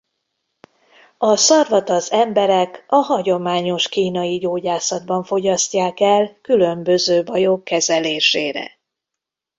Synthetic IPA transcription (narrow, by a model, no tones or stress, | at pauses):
ɒsɒrvɒt̪ɒzɛmbɛɾɛkɒɦɒɟo̞maːɲo̞ʃkiːnɒjiɟoːɟaːsɒd̪̚bɒɱfo̞ɟɒscːaːkɛlkylø̞mbø̞zøːbɒjo̞kːɛzɛleːʃeːɾɛ̰